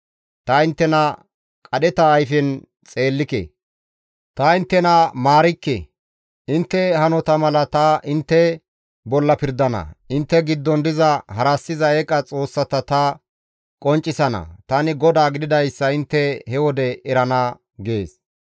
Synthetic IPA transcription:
t̪ɐɪnt̪ːɛnɐ | kʼɐɗɛt̪ɐːjfɛn | t͡sʼe̞ːlːɪkɛ̰ | t̪ɐɪnt̪ːɛnɐmaːɾɪkːɛ̰ | ɪnt̪ːɛhɐnɔt̪ɐmɐlɐt̪ɐʔɪnt̪ːɛ | bɔlːɐpɪɾd̪ɐnɐ̰ɪnt̪ːɛɡɪd̪ːɔnd̪ɪzɐhɐɾɐsːɪzɐɛkʼɐt͡sʼo̞ːsːɐt̪ɐt̪ɐ | kʼɔnt͡ʃʼːɪsɐnɐ̰t̪ɐnɪɡɔd̪aːɡɪd̪ɪd̪ɐjsːɐɪnt̪ːɛhɛwɔd̪ɛɛɾɐnɐ | ɡeːs

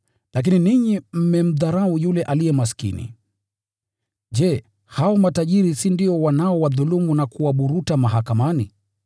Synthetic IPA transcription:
lak̬ininiɲim̩mɛm̩ðaɾaujulɛʔalijɛmaskḭnḭ | ʄɛ | haɔmataʄiɾisindiɔwanaɔwaðulumunakuwaɓuɾutamaɦakamanḭ

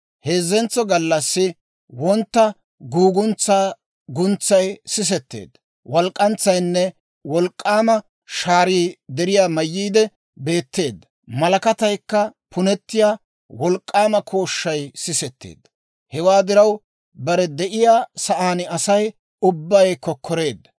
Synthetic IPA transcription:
he̞ːzːɛnt͡sːɔɡɐlːɐsːɪ | wɔnt̪ːɐ | ɡuːɡʊnt͡sːaː | ɡʊnt͡sːɐjsɪs̬ɛt̪ːḛːd̪ːɐ | wɔlkʼːɐnt͡sːɐjnːɛ | wɔlkʼːaːmɐ | ʃaːɾiːd̪ɛɾɪjaːmɐjːiːd̪ɛ | be̞ːt̪ːe̞ːd̪ːɐ | mɐlɐkɐt̪ɐjkːɐpʰʊnɛt̪ːɪjaː | wɔlkʼːaːmɐkʰo̞ːʃːɐjsɪsɛt̪ːḛːd̪ːɐ | hɛwaːd̪ɪɾɐw | bɐɾɛd̪ɛʔɪjaːsɐʔaːnɪɐsɐj | ʊbːɐjkːɔkʰːɔɾe̞ːd̪ːɐ

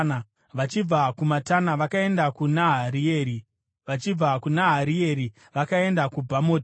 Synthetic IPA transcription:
na | ʋat͡ʃib͡vakumatanaʋakae̞ndakunaɦaɾieːɾi | ʋat͡ʃib͡vakunaɦaɾie̞ɾi | ʋakae̞ndakubʱamo̞ːti

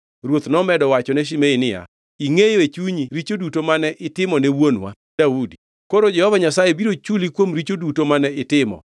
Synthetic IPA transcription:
ɾwot̪nɔmɛdɔwat͡ʃɔnɛʃ̬imeinɪja̰ | iŋewet͡ʃuɲiɾit͡ʃodutomanɛʔɪtɪmɔnɛwonwa̰ | daudi | koɾod͡ʒɛhɔvaɲasajebiɾot͡ʃulikwomɾit͡ʃodutomanɛɪtɪmɔ̰

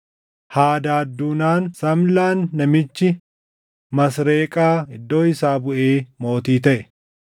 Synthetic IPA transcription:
haːd̪aːd̪ːuːnaːnsɐmlaːnːɐmɪt͡ʃːɪ | mɐs̬ɾeːkʼaːɪd̪ːo̞ːɪsaːbʊʔeːmo̞ːt̪iːt̪ɐʔɛ

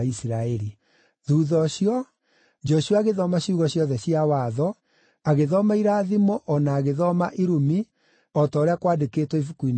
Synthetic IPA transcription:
isɾaɛɾi | ðuːðɔɕijɔ | d͡ʒɔʃuaːɣeðɔmaɕiuɣɔɕjɔðɛɕiawaðɔ | aɣeðɔmaiɾaːðimɔʔɔnaːɣeðɔmaʔiɾumi | ɔtɔɾeakwadeketwɔifukuin

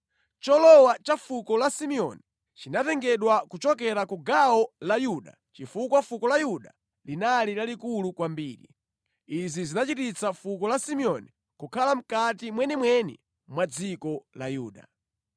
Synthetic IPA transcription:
t͡ʃɔlɔwat͡ʃafukɔlasimiɔ̰ni | t͡ʃinatɛŋɡɛɗwakut͡ʃɔk̬ɛɾakuɡaɔlajuɗa̰ | t͡ʃifukwafukɔlajuɗa̰ | linalilalikulukwambiːɾḭ | izizinat͡ʃitit͡safukɔlasimiɔni | kukʰalam̩katimwɛnɛmwɛnɛ̰ | mwad͡zikɔlajuːɗa̰

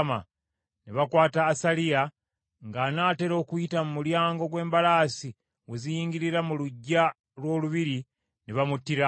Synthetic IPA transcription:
ma̰ | neβakwaːtaːsalija | ŋɡanaːte̞ɾo̞ːkujitamumuljaːŋɡo̞ɡwe̞ːmbalaːsi | wezijiːŋɡiɾiɾamuluɟːa | lwo̞ːluβiɾi | neβamutːiɾa

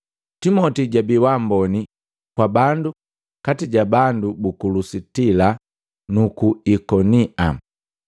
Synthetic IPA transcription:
timɔtiɟabiwambɔni | kwabandu | katiɟabandubukulusitila | nukuikɔniʔa

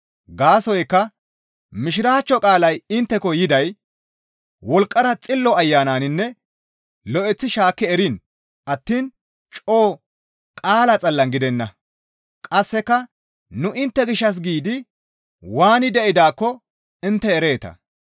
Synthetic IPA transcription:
ɡaːsɔjkːɐ | mɪʃɪɾaːt͡ʃːɔkʼaːlɐjɪnt̪ːɛkɔjɪd̪ɐj | wɔlkʼːɐɾɐt͡sʼɪlːɔɐjːaːnaːnɪnːɛ | lɔʔɛt͡sːɪʃaːkːɛɛɾin | ʔɐt̪ːiːn | t͡ʃʼoː | kʼaːlɐt͡sʼɐlːɐnɡɪd̪ɛnːɐ | kʼɐsːɛkːɐ | nʊʔɪnt̪ːɛɡɪʃːɐs̬ɡiːd̪ɪ | waːnɪd̪ɛʔɪd̪aːkːɔ | ɪnt̪ːɛːɾe̞ːt̪ɐ̰

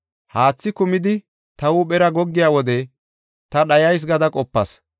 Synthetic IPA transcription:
haːt͡sːɪkʊmɪd̪ɪ | t̪ɐwʊɓɛɾɐɡɔɡːɪjaːwɔd̪ɛ | t̪ɐɗɐjɐjs̬ɡɐd̪ɐkʼɔpːɐs

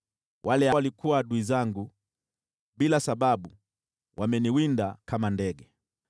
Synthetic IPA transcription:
wʔalɛawalikuwaɗuizaŋɡu | ɓilasaɓaɓu | wʔamɛniwindakamandɛɡɛ

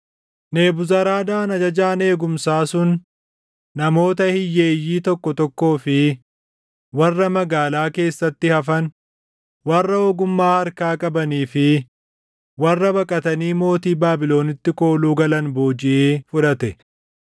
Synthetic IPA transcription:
ne̞ːbʊzɐɾaːd̪aːnɐd͡ʒɐd͡ʒaːne̞ːɡʊmsaːsʊnː | ɐmo̞ːt̪ɐhɪjːe̞ːjːiːt̪ɔkːɔt̪ɔkːo̞ːfɪ | wɐrːɐmɐɡaːlaːke̞ːsːɐt̪ːɪhɐfɐn | wɐrːɐoːɡʊmːaːhɐɾkaːkʼɐbɐniːfɪ | wɐrːɐbɐkʼɐt̪ɐniːmo̞ːt̪iːbaːbɪlo̞ːnɪt̪ːɪko̞ːluːɡɐlɐnboːd͡ʒɪʔeːfʊᶑɐt̪ɛ

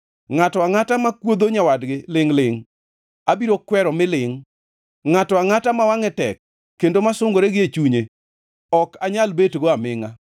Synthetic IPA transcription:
ŋatɔaŋatamakwod̪oɲawadɡɪlɪŋlɪŋ | abiɾokwɛɾɔmɪlɪŋ | ŋatɔaŋatamawaŋɛtɛkː | endomasʊŋɡoɾeɡɪet͡ʃuɲe | ɔkaɲalbetɡoamɪŋa

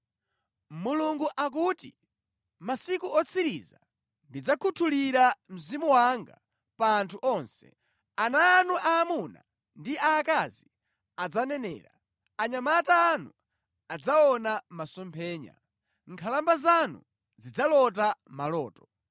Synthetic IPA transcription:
muluŋɡuʔak̬uːtḭ | masikuɔt͡sʰiɾiza | ndid͡zakʰutʰuliɾam̩zimuwaŋɡa̰ | paːntʰuʔɔnsɛ̰ | anaːnuʔaːmuna̰ | ndiaːkazi | ad͡zanɛnɛ̰ːɾa | aɲamataːnu | ad͡zaɔnamasɔmpʰɛːɲa̰ | ŋkʰalambazanṵ | zid͡zalɔt̬amalɔːtɔ̥

